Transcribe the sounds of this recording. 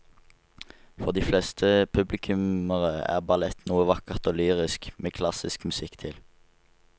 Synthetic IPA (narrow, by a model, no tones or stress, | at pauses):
fɔʁd̪iːflɛst̪ʰəpʰʉblɪkʰʉməʁəæ̰ːʁbɑlɛt̪nuːəʋɑkəʁt̪oːlyːʁɪskmeːkʰlɑsɪskmʉsɪkt̪ʰɪl